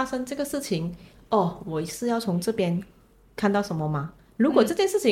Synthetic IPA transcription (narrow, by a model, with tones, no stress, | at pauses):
a˥ʂɤ˥ŋʈ͡ʂɤ˥˩ɡə˩ʂɻ̩˥˩t͡ɕʰi˧˥ŋ | ɔ˥˩wɔ˨˩i˧˥sɹ̩˥˧jɑ˥˩ʊt͡sʰʊ˧˥ŋʈ͡ʂɤ˥˩pjɛ˥n | kʰa˥˧nt̪ɑ˥˩ʊʂə˧˥nmə˧mɐ˧ | ɻu˧˥kwɔ˨˩ʈ͡ʂɤ˥˧t͡ɕjɛ˥˧nʂɻ̩˥˩t͡ɕʰi˧˦